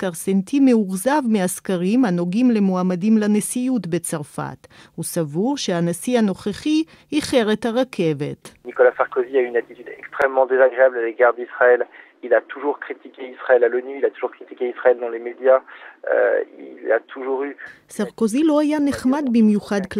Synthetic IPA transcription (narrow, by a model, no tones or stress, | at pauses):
kaʁsent̪imeuʁzavmeaskaʁimanoɡimlemoamadimlanesijut̪bet͡saʁfa̰t̪husavuʁʃeanasiano̞χeχi | hiχeʁet̪haʁakʰe̞vet̪nikɔlasaʁkoziayːnat̪it̪yd̪ɛkst̪χɛmːɑ̃d̪ezaɡʁeablaleɡaʁd̪isχaɛl | ilat̪uʒuʁkχit̪ikʲeisχaɛlalɔnyilat̪uʒuʁkχit̪ikʲeisχaɛld̪ɑ̃lemed̪jaø̰ila̰t̪ʰuʒuʁysaʁkozilo̞ajaneχmad̪bimjuχad̪kl